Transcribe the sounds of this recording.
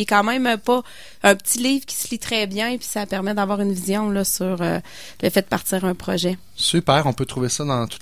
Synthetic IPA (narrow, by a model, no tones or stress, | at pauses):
ɛkɑ̃mɛ̃mpɔ | œ̃pət͡siliːv̥kʲi̥slit̪χɛbjɛ̃pɥi̥sapɛʁmɛd̪avwɑːʁynvizjɔ̃lɔsyʁø̰ | ləfɛd̪əpaʁt̪iːʁœ̃pχɔʒɛ | sypɛːʁɔ̃pøt̪ʁuvesɔd̪ɑ̃t̪u̥t̪